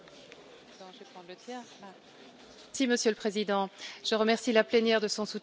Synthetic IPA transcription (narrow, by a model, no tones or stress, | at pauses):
d̪ɔ̃ʒvepχɑ̃d̪lət̪jɛʁa | siməsjøləpχezid̪ɑ̃ʒ̥əʁəmɛʁsilaplɛnjɛʁd̪əsɔ̃su